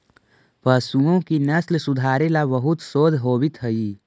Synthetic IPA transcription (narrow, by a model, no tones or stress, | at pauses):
pəsuõkinɐslsʊd̪ʱaːɾelabəɦʊt̪soːd̪ʱɦoːbɪt̪ɦəi